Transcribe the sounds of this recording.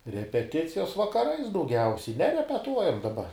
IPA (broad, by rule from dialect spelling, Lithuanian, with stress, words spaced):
rʲɛpʲɛˈtʲɪt͡sʲɪjoːs ʋɐkɐˈrɐɪs dɐʊˈɡʲɛʊsʲɛɪ nʲɛrʲɛpʲɛˈtuɔjɛm dɐˈbɐ